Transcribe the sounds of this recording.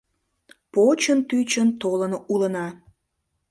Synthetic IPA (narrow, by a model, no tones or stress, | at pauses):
pot͡ɕənt̪yt͡ɕənt̪olənulənɑ